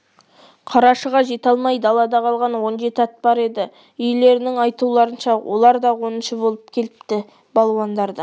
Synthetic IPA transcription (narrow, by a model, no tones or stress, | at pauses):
qʰɑɾɑʃəʁɑʒe̞t̪ɑlˠmɑjd̪ɑlˠɑd̪ɑqʰɑlˠʁɑnwo̞nʒe̞t̪ɪɑt̪bɑɾe̞d̪ɪ | ʏjle̞ɾɪnɪŋɑjt̪ulˠɑɾənʃɑwʔolˠɑɾd̪ɑwo̞nənʃəbo̞lˠəp̚kʲʰe̞lɪpt̪ɪ | bɑlˠwɑnd̪ɑɾd̪ə